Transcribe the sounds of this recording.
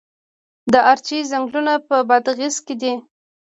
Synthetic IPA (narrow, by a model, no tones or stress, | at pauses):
d̪əʔaɾt͡ʃizaŋɡlunapəbad̪ɣizked̪i